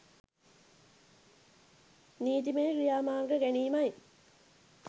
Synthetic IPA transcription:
niːt̪imejkijaːmaːrɡəɡæniːmaj

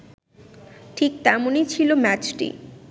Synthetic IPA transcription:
ʈʰik̚t̪ɛmonijt͡ɕʰilomɛt͡ɕʈḭ

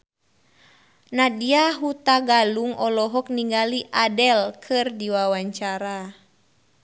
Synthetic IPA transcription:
nadiaɦut̪aɡaluŋɔlɔɦɔk̚niŋɡaliʔadɛlkʰɨrdiwawaɲt͡ʃaɾa

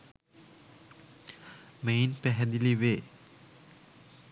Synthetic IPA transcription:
mejinpɛɦɛd̪iliʋeː

